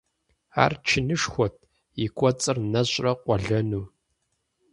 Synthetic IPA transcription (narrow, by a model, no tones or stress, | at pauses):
a̰ːrt͡ʃʰɪnɨʂxʷɔt̚ʰ | jɪkʷʼɔt͡sʼɨrnɐɕʼrɐqʷɔɮɐnuː